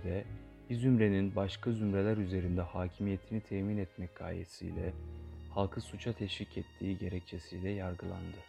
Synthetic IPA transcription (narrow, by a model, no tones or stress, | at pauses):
d̪ɛ | bizymɾe̞ninbaʃkʰazymɾe̞lʲæɾyze̞ɾind̪ɛhaːcʰimije̞t̪ʰinit̪ʰɛmiːnɛt̪mɛc̚ɡʰa̰ːjḛsḭjlʲɛhalˠkʰɯsut͡ʃʰat̪ʰɛʃvicʰɛt̪ʰːiːɟe̞ɾɛc̚t͡ʃʰesijlʲɛjaɾɡɯlˠa̰nd̪ɯ